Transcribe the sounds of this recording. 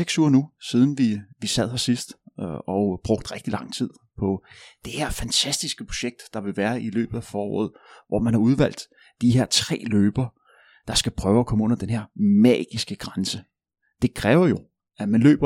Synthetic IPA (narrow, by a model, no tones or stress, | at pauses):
eɡ̥suɐnusiːð̞ˠn̩ʋiʋisæð̞̰ˠhɑsisd̥ɒb̥ʁɔ̽ɡ̥d̥ʁɛɡ̥̚d̥ilɑ̈ŋ̰t͡sʰið̞̰ˠpʰɒ̽d̥e̝heɐ̰fænt͡sʰæsd̥isɡ̥əpʰo̝̥ɕeɡ̥̚d̥ːɑ̈ʋe̝ʋæːɐʔilø̰ːb̥ð̩ˠæfɒːɒ̰ːð̩ˠ | ʋɒ̰mænhɑ̈uð̞ˠʋæl̰d̥ | d̥iɦe̝ɐ̰t͡sʰʁɛ̰ːløːb̥ɐ | d̥ɑ̈sɡ̥æpʰʁœːʊækʰɒ̽məɔ̽n̰ɐd̥enɦeɐ̰mɛ̰ːɡ̥isɡ̥əɡ̥ʁansə | d̥e̝kʰʁɛːʊɐjo̝ | æmænlø̰ːb̥ɐ